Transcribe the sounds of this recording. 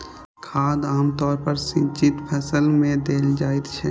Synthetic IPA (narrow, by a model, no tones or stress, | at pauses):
kʰaːd̪aːmt̪ɔːɾpəɾsĩt͡ʃɪt̪pʰəsəlmẽd̪eːld͡ʒaːet̪t͡ʃʰɛ